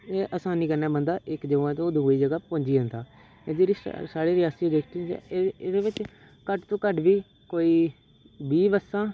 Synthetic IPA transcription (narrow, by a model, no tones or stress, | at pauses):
eːʔəsaːniːkəɾnaːbənd̪aːʔɪkd͡ʒəʋãːt̪õːd̪uːiːd͡ʒəɡaːpõːɲd͡ʒiːə̃nt̪ʰaː | eːd̪eːɾḭsaːɽeːɾɪjaːsid̪eːkʰt̪ĩːt͡ʃːd̪eːʋɪt͡ʃ | kəʈt̪õːkəʈʋiː | koːiː | biːbəsːãː